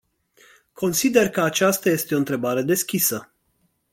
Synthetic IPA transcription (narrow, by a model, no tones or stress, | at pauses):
kʰo̞nsid̪e̞rkəat͡ʃast̪aje̞st̪e̞o̞ɨnt̪ɾe̞baɾe̞d̪e̞skʲisə